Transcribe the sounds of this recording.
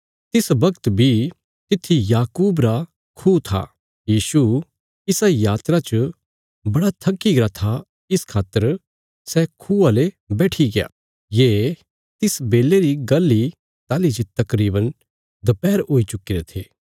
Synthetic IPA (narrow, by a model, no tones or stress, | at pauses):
t̪ɪsbɐkt̪bʱi | t̪ɪt̪ʰːijaːkuːbɾa | kʰuːt̪ʰa̰ | jiːsu | ɪsajaːt̪ɾat͡ʃə | bɐɽat̪ʰɐkːiɡɾat̪ʰa | ɪskʰaːt̪ːəɾ | sɛkʰuːale | bɛːʈʰiɡɪja̰ː | jeː | t̪ɪsbeːleɾiɡɐlːi | t̪aːlid͡ʒit̪ɐkɾiːbən | d̪ɐpɛːɾɦoːit͡ʃʊkiɾet̪ʰeː